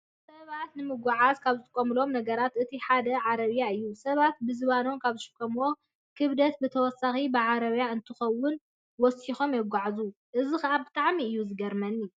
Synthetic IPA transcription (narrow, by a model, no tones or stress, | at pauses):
sɐβat̪nɨmɨɡʷuʕazkʰaβzɨt̪ʼɨkʼːɐmɨlo̞mnɐɡɐɾat̪ʔɨt̪ʰiħad̪ɐʕaɾɐβjaɨjːusɐβat̪̚bɨzɨβano̞mkʰaβzɨʃɪ̥kʼːɐmwo̞ | kʰɨβd̪ɐt̪̚bɨt̪ʰɐwɔsːaxibɨʕaɾɐβjaɨnt̪ʰɨxɐwːʊn | wɔsixo̞mjɛɡʷaʕzu | ʔɨzɨxɨʔabɨt̪ʼaʕmiɨjːuzɨɡɐɾmɐnːi